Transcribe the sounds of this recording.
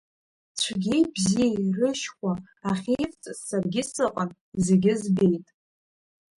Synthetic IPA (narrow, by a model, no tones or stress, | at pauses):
t͡ɕʷʰaɡʲebzijrɨʃkʷa | aχʲejft͡sʼsːarɡʲɪsɨqʼan | izeɡʲɪzbe̞jtʼ